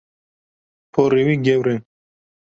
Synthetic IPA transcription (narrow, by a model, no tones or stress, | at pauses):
pʰoɾiwiɡewɾe